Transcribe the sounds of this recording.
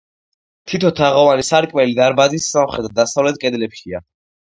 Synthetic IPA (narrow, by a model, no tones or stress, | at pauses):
t̪ʰit̪ʰɔt̪ʰaʁɔvanisaɾkʼmɛlid̪aɾbazisːamχɛd̪ɾd̪asavlɛt̪̚kʼɛd̪lɛpʃia